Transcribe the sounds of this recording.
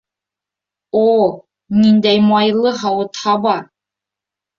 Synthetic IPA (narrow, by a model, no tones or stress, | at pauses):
o | nind̪æjmɑjlˠɤɦɑwɤ̆t̪hɑbɑɾ